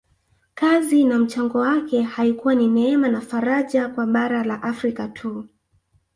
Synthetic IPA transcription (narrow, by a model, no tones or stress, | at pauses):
kazinam̩t͡ʃaŋɡɔwakɛhaikuwaninɛɛmanafaɾaʄakwaɓaɾalaʔafɾikatʰu